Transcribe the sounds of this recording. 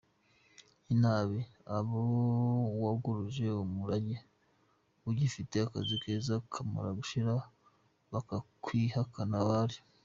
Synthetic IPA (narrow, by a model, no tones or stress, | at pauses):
inaːβiaβo | waɡuɾuʒe̞umuɾaɟe | uɟifite̞akazikezakʰama̰ɾaɡuʃiɾa | βakakʰwihakanaβaɾi